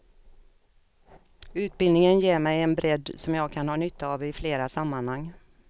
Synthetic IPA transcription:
ʉ̟ːt̪̚bɪld̪nɪŋənjeːɾmɛjɛnbɾɛd̪ːsɔmjɑːɡ̚kʰanhɑːnʏt̪ʰːaːvɪfleːɾasamːanhaŋː

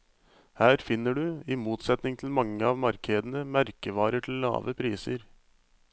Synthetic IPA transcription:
hæːɾfɪnːəɖʉiːmuːt̪sɛt̪nɪŋt̪ʰl̩mɑŋːəɑːʋmɑɾkʰeːd̪ənəmæɾkəʋɑːɾəʈʰl̩lːɑ̰ːʋəpʰɾiːsəɾ

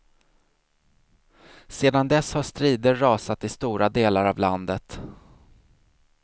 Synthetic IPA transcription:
seːd̪and̪ɛshaʂt̪ɾiːd̪əːɑːsat̪ɪst̪uːɾad̪eːlaɾavland̪ət̪

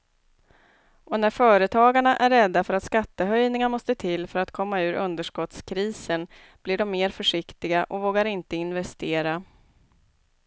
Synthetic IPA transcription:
ʔɔnæɾfœːɾət̪ʰɑːɡaɳaʔæɾːɛd̪ːafœɾat̪skat̪ːəɦœjnɪŋamɔst̪ət̪ʰɪlːfœɾat̪kʰɔmːaʉ̟ːɾʔɵnd̪əʂkɔt̪skʰɾiːsən | b̥lɪɖɔmːeːɾfœʂɪkt̪ɪɡaʔɔvoːɡaɾɪnt̪əɪnvɛst̪eːɾa

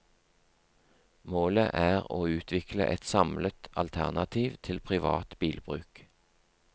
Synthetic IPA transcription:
moːləʔæːʁoːʉːt̪ʰʋɪklə̰ʔɛt̪sɑmlət̪ɑlt̪ʰæʁnɑt̪ʰiːʋt̪ʰɪlpʰʁɪʋɑ̰ːt̪b̥iːlbʁʉ̰ːk

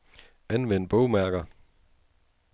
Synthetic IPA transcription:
ænʋen̰b̥ɔʊmæɐɡ̥ɐ

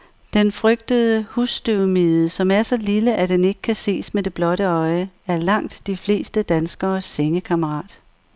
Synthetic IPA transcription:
d̥enfʁœɡ̥̚d̥əðˠəhusd̥øʊmiðˠəsɒ̽mæɐsɒ̽liləʔæd̥ene̝ɡ̥ə̥kʰæse̝̰ːsmed̥e̝b̥lɒ̽ɾəɒ̽ɪæɐlɑ̈ŋ̰d̥ːifle̝̰ːsd̥əd̥ænsɡ̥ɐːsːeŋəkʰɑməʁɑ̰̈ːd̥

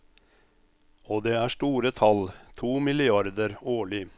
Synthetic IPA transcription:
oːd̪eːæːʂʈuːɾət̪ʰɑlt̪ʰuːmɪlɪɑɾd̪əɾoːɭɪ

